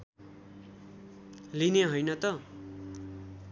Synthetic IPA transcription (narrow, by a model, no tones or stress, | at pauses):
lineɦʌjnʌt̪ʌ